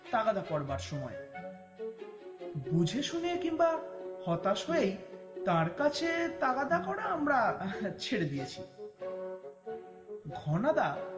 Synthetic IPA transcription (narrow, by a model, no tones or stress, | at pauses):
t̪aɡad̪akɔɾbaɾʃɔmɔe | bud͡ʑʱeʃuniekimbahɔt̪aʃɦoejt̪aɾkat͡ɕʰet̪aɡad̪akɔɽaamɾat͡ɕʰeɽed̪ijet͡ɕʰi | ɡʱɔnad̪a